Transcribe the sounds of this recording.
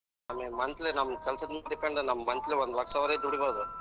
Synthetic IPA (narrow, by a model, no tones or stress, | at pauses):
nɐmemɐnt̪lenɐmːɐkɛlsɐd̪mad̪ikɐɳɖɐnɐmːɐmɐnt̪leɔnd̪lɐkːsaːʋɾɐjd̪uɽiboːd̪u